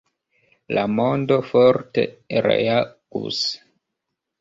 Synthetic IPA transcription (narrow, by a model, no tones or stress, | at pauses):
lamo̞ndo̞foɾtḛɾḛaɡ̥ṵs